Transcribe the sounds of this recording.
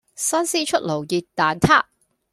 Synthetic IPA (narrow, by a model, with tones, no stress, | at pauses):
sɐ˥nsiː˥t͡ʃʰɵ˥t̚lo˨˩wjiː˨˧t̚t̪ːaː˨nt̪ʰaː˥